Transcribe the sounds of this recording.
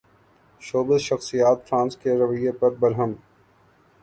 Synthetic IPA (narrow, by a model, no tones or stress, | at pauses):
ʃoːbɪzʃɐxsijaːt̪fɾãːnskeɾɐʋəjepɐɾbɐɾɦəm